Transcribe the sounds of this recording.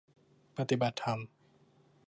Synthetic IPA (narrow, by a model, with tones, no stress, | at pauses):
pa˧t̪i˨˩ba˨˩t̪ʰːa˧m